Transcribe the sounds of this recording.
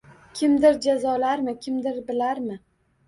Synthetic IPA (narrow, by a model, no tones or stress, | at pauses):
kʲʰɪmd̪ɪɾd͡ʒazɒlaɾmɪkʲʰɪmd̪ɪɾbɪlaɾmɪ